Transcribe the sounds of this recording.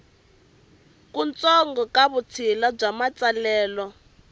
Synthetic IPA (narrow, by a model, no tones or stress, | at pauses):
kunt͡sɔŋɡɔkaβut͡sʰilab͡ʐamat͡salɛːlɔ